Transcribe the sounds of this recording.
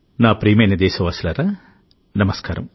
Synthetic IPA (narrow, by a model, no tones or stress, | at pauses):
naːpɾiːmejnɐd̪eːsɐʋaːsilɐːɾɐ | nɐmɐskaːɾɐ̰m